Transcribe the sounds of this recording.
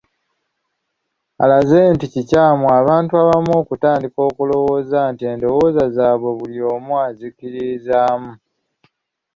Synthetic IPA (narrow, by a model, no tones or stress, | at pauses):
a̰lazeːnticicaːmuaβaːntuaβamoːkutaːndiko̞ːkulo̞wo̞ːzantie̞ːndo̞wo̞ːzazaːβwe̞βulio̞ːmwazikiɾizaːmu